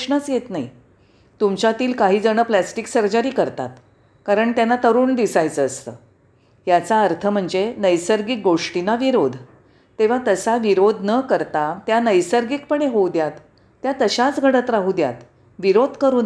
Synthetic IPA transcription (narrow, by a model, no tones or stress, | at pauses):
ʂɳət͡sjet̪nai | t̪umt͡ɕjat̪iːlkaɦiːd͡zəɳ̃əplæsʈiksəɾd͡ʑaɾiːkəɾt̪a̰t̪ | kaɾəɳt̪janːat̪əɾuːɳd̪isajt͡səːst̪ə̰ː | jat͡saəɾt̪ʰəm̤əɳd͡zenəjsəɾɡik̚ɡoʂʈinaʋiɾod̪ʱ | t̪eʋ̤at̪əsaʋiɾod̪ʱnəkəɾt̪at̪janəjsəɾɡik̚pəɳ̃eɦowd̪jat̪ː | jat̪əɕat͡sɡʱəɽət̪ɾaɦud̪ja̰t̪ | ʋiɾod̪ʱkəɾuːn